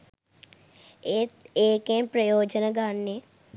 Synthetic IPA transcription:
eeːkẽpɾəjoːd͡ʒənɡaːnːe

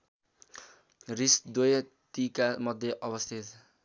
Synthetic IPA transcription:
risd̪oj | t̪ikamʌd̪ʱjeʔʌbʌst̪ʰit̪

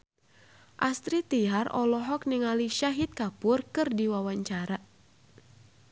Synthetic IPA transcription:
ʔast̪ɾit̪iɦarɔ̰lɔɦɔk̚nɨŋaliʃaɦit̪̚kapʊrkɨrdiwawaɲt͡ʃaɾa

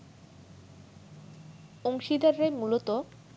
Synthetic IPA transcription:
oŋʃid̪aɾɾejmulot̪o

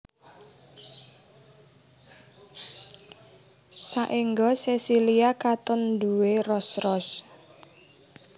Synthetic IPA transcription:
saʔiŋɡɔsesiliakat̪ɔnd̪uwerɔsrɔs

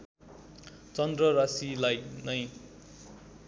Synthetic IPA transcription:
t͡sʌnd̪rʌɾasilajnʌj

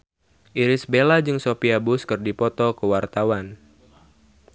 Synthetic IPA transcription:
ʔiɾɪsbelad͡ʒɨŋsopiabʊskɨrdipɔt̪ɔkəwart̪awan

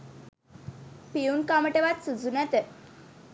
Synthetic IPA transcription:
piunkaməʈeʋat̪sud͡zunat̪e

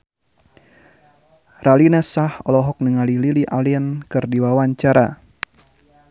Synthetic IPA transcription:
ralinasahɔlɔɦɔk̚nəŋalililiʔaliənkɨrdiwawaɲt͡ʃaɾa

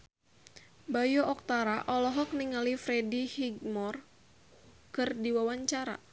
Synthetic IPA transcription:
bajoʔɔk̚t̪aɾaʔɔlɔɦɔk̚niŋalifɾɛdihiɡ̚mɔr | kɨrdiwawaɲt͡ʃaɾa̰

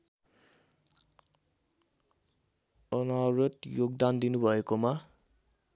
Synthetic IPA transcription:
ʌnaɾʌt̪joɡd̪and̪inubʱʌekoma

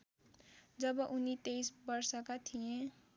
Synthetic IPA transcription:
d͡ʒəbʔunit̪eisbəɾsakat̪ʰijẽ

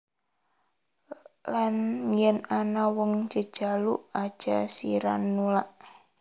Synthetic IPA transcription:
lanjɛnanawɔŋd͡ʒəd̥ʒ̥aluʔḁʒ̥asiɾa̰nːulaʔ

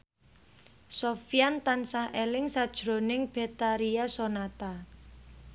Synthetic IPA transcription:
sofijant̪ansahʔelɪŋsad̥ʒ̥ɾo̤nɪŋb̥e̤t̪aɾiasonat̪a

